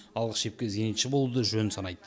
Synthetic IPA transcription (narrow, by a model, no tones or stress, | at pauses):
ɑlˠʁəsʃe̞p̚kʲezenit̪ʃɪbo̞lˠud̪əʒønɪnsɑnɑjd̪ə